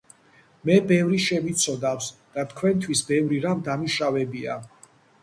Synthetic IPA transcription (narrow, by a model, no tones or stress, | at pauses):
mɛbɛvɾiʃɛmit̪sʰɔd̪afsd̪̥at̪ʰkʰwɛnt̪ʰwisbɛvɾiɾamd̪amiʃavɛbia̰